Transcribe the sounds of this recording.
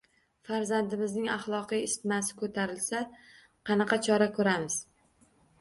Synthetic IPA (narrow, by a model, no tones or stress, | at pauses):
faɾzand̪ɪmɪznɪŋɑχlˠɒqijɪst̪ɪmasɪ̥kʰɵt̪ʰaɾɪlsa | qʰɑnɑqɑt͡ʃʰɒɾakʰɵɾamɪz̥